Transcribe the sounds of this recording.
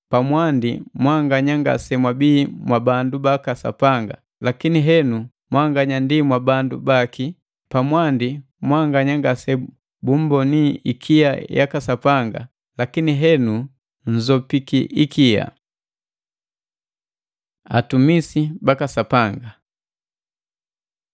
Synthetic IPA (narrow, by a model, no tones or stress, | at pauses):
pamwandimwaŋɡaɲaŋɡa̰sɛmwabiːmwabandubakasa̰paŋɡa̰ | lakiniɦɛnu | mwaŋɡaɲandimwabandṵbaki | pamwandi | mwaŋɡaɲaŋɡasɛ | bum̩bɔniikʰiaja̰kasapaŋɡa̰ | lakiniɦɛnu | n̩zɔpikiʔikʰia̰ | a̰tumisibakasapaŋɡa